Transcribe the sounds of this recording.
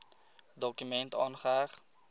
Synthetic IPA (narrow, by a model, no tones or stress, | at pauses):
dokymɛntɔːnχaːχ